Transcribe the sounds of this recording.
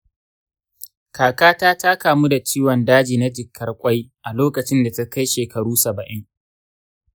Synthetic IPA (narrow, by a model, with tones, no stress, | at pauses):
kaː˨kaː˦taː˦taː˦kaː˨mu˦da˨t͡ʃiː˦wɔ˨ndaː˦d͡ʒiː˨na˦d͡ʒɪ˨kːɐ˦rkʷʼa˦jʔa˨loː˦kɐ˨t͡ʃɪ˦nda˨ta˦ka˦jʃeː˨kʰɐ˨ɽuː˦sɐ˨bɐ˨ʔɪ˦ŋ